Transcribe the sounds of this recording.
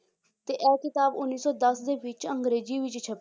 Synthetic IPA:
t̪eːʔɛːkɪt̪aːbʊnːiːsɔːd̪əsd̪eːʋɪt͡ʃəŋɡɾeːd͡ʒiːʋɪt͡ʃt͡ʃʰəp

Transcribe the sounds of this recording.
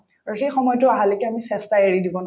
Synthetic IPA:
aɹuxejxɔmɔjɔtʊaɦalekɛamisɛstaeɹidibɔn

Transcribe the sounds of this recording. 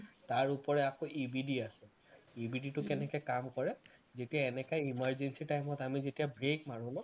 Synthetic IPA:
taɹupɔɹɛakoʔibidiasɛ | ibʱiditʊkɛnɛkɛkamkɔɹɛzetiaɛnɛkajimaɹzensitajmɔtamizetijabɹekmaɹulɔ

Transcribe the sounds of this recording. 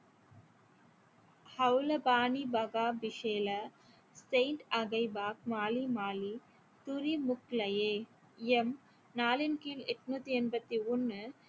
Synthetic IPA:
hɐʋlɐbaːnibɐɣaːbɪʂeːlɐ | seɪɳʈɐɣɐɪbaːk̚maːlimaːli | t̪ʊɾimʊklɐjeː | ɛm | naːlɪnkiːlɛʈːnuːt̪ːiɛnbɐt̪ːiɔnːɯ

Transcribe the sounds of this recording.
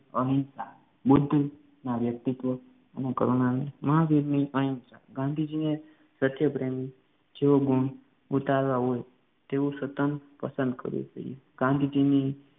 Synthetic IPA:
əɦĩnsa | bud̪ʱː | naʋjək̚t̪it̪ʋə | anekəɾonaneməɦaʋed̪niʔəɦĩnsa̰ɡãnd̪ʱid͡ʒine | sət̪jəpɾemi | d͡ʒeʋoɡuɳ | ut̪alʋaɦoj | t̪eũsət̪ənpəsə̃nd̪kə̰ɾṵsə̰ieɡãnd̪ʱid͡ʒini

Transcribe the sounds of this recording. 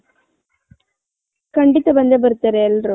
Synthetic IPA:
kɐɳɖɪt̪ːɐbɐnd̪ɐbɐɾɯt̪ːɐɾeːlɾo

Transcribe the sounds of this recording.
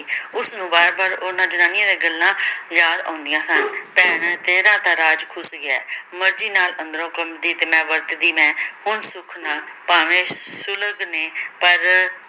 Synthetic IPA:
ʊsnũːbaːɾbaːɾonãːd͡ʒənaːnɪjãːd̪eːɡəlːãːjaːd̪ã̰ːnd̪ɪjãːsənpɛːɳt̪eːɾãːt̪aːɾaːd͡ʒkʰʊsɡɛːməɾd͡ʒiːnaːlə̃nd̪ɾõːkəmd̪iːt̪eːmɛ̃ːʋəɾt̪d̪iːmɛ̃ːhʊnsʊkʰnãːpaːʋẽːsʊləɡneːpəɾ

